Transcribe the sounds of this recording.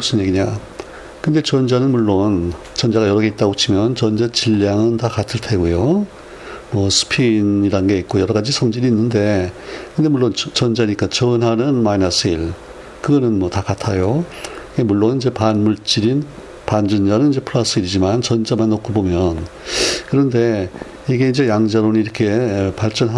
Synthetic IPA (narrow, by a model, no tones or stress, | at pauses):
us͈ʰɯnɲeɡiɲa | kɯnd̪e̞t͡ɕʌnd͡ʑanɯnmuɭːon | t͡ɕʌnd͡ʑaɣajʌɾʌɡeit͈aɡot͡ɕʰimjʌnt͡ɕʌnd͡ʑat͡ɕiʎːaŋɯntakatʰɯɭtʰeɡujo | mwʌsʰɯ̥pʰiniɾanɯnɡe̞it̚k͈ojʌɾʌɣad͡ʑisʰʌŋd͡ʑiɾiːnːɯnde̞kɯnde̞muɭːont͡ɕʌnd͡ʑaɲik͈at͡ɕʌnɦanɯnmainas͈ʰɯiɭ | kɯɡʌnɯnmwʌtakatʰajoiɡe̞muɭːonid͡ʑe̞panmuɭt͡ɕ͈iɾin | pand͡ʑɯnd͡ʑanɯnid͡ʑe̞pʰɯɭas͈ʰɯiɾid͡ʑimant͡ɕʌnd͡ʑamanːokʰobomjʌn | kɯɾʌnde̞ | iɡe̞ind͡ʑe̞jaŋd͡ʑaɾoniiɾʌkʰe̞paɭt͡ɕ͈ʌnɦa